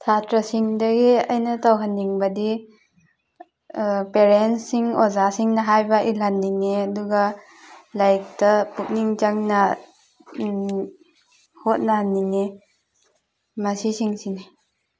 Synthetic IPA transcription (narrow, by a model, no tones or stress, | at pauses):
tʰatɾɐsiŋdɐɡiɐjnɐtawɦanːiŋbɐdi | peɾensiŋozasiŋnɐɦajbɐʔilanːiŋːeɐduɡa | lajk̚tɐpuk̚niŋt͡ʃaŋnɐ | hot̚nɐhanːiŋːe | mɐsisiŋsini